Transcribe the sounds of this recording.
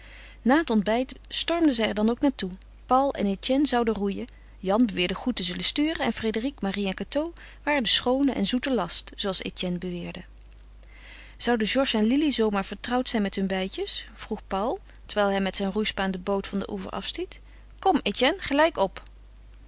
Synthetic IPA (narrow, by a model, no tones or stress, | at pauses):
naːɦətɔndbɛjtstɔɹmdəzɛjɛɹdɑnowknaːɹtu | pɑwlˠɛ̰netɛnzɑwdərujə | jɑnbəʋɪːɹdəχutəzɵləstyːrəɛnfrejdərikmariɛnkatow | ʋaːɹədəsχownəʔɛ̰nzutəlɑstz̥owɑlˠsḛtɛnbəʋɪːɹdə | z̥ɑwdəʒɔɹʃɛnlilizowmaːɹv̥əɹtrɑwtsɛjnmɛtɦɵnbɛjcəsfruχpɑwlˠ | təɹʋɛjlˠɦɛjmɛtsɛjnrujspaːndəbowtfɑndə̰ʔuvə̰ɹʔɑ̰fstit | kɔmetɛnχəlɛjkɔp